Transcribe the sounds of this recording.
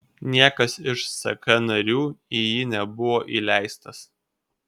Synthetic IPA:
nʲiɛkɐsɪʃsɐ̰kɐnɐɾʲuːijinʲɛbʊʋoːʔilʲæˑɪst̪ɐs

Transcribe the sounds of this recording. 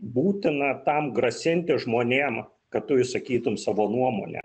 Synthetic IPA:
buːt̪ʲɪnɐt̪ɐmɡɾɐsʲɪnʲt̪ʲɪʒmoːnʲeːm | kɐt̪ʊjɪsɐkʲiːt̪ʊmsɑːʋoːnuɔmoːnʲɛ̰

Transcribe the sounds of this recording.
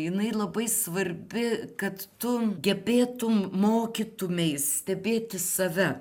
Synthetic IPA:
jɪnɐɪlˠɐbɐɪsʋɐɾʲbʲɪkɐt̪t̪ʊɡʲɛbʲeːt̪ʊmmoːkʲit̪ʊmʲɛɪssʲt̪ʲɛbʲeːt̪ʲɪsɐʋʲɛ

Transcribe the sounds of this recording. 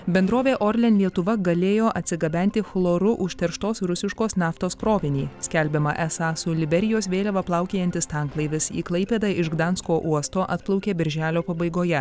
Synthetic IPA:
bʲɛnd̪ɾoːʋʲeːʔoɾʲlʲɛnlʲiɛt̪ʊʋɐɡɐlʲeːjoːʔɐt̪ʲsʲɪɡɐbʲɛnʲt̪ʲɪxlˠoːɾʊʔʊʃʲt̪ʲɛɾʃt̪oːsɾʊsʲɪʃkoːsnʲɑːft̪oːskɾoːʋʲɪnʲiːsʲkʲɛlʲbʲɛmɐ̰ʔɛsɑːsʊlʲɪbʲɛɾʲɪjoːsʋʲeːlʲɛʋɐplˠɑˑʊkʲeːjɛnʲt̪ʲɪst̪ɑˑŋklˠɐɪʋʲɪsḭːklˠɐɪpʲeːd̪ɑːɪʃɡd̪ɑnskoːʔuɔst̪oːʔɐt̪plˠɐʊkʲeːbʲɪɾʲʒʲæːlʲoːpɐbɐɪɡoːjɛ

